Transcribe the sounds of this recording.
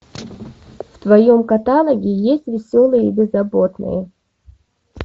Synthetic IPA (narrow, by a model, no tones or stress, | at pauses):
ft̪vɐjomkɐt̪alˠəɡʲɪjesʲtʲvʲɪsʲolˠɨjəibʲɪzɐbo̞t̪nɨ̰jə